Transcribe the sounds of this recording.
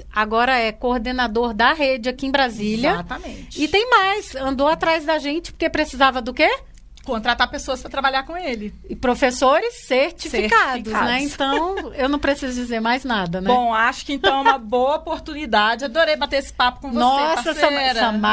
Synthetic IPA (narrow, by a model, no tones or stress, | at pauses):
aɡɔɾɐɛkoɾd̪enad̪oɾd̪ɐɦed͡ʒɪakiẽbɾazilɐat̪ɐmẽt͡ʃɪt̪ẽj̃majsɐ̃nd̪oat̪ɾajzd̪ɐʒẽnt͡ʃɪ̥poɾkepɾesizavɐd̪ʊke | kõnt̪ɾat̪aɾpesoɐspɾɐt̪ɾabaʎaɾkõelɪ | ɪpɾofesoɾɪsːeɾt͡ʃifikad̪ʊsnɛẽtt̪ɐ̃ww̃ewnɐ̃w̃pɾesizʊd͡ʒizeɾmajznad̪ɐnɛõaʃʊ̥kɪẽnt̪ɐ̃w̃ɛũmɐboɐopoɾt̪unid̪ad͡ʒɪad̪oɾejbat̪eesɪ̥papʊ̥kõnoɔsɐeɐ̃ɐ̃ɾɐsɐma